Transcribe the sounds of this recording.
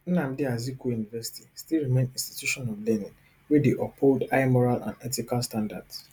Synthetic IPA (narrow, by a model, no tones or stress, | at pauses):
n̩nãm̩diazikojunivɛsi̥tistilɹimẽnĩnsti̥tjuʃɔ̃nɔvlɛnĩŋ | wedeʔɔpʰoldaɪmɔɹalã̰nɛtikalstãnda̰d̥s